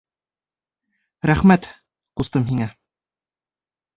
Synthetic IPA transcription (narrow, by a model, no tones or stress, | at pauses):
ɾæχmæt̪ | qust̪ɤmɦiŋæ